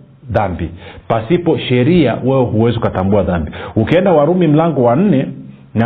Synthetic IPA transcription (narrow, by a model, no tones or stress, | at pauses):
ðambipasipɔʃɛɾia̰wɛwɛhuwɛziukatambuaðambiukiɛndawaɾumim̩laŋɡɔwan̩nɛ | na